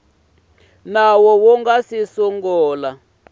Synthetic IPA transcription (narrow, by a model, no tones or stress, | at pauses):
nawɔwɔŋɡasisɔŋɡɔːla